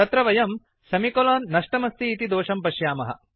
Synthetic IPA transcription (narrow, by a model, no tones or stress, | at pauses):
ɐt̪ɾɐʋɐjɐm | sɐmikoloːnːɐʂʈɐmɐst̪iːt̪id̪oːʂɐmpɐʃjaːmɐ̰ɦɐ̰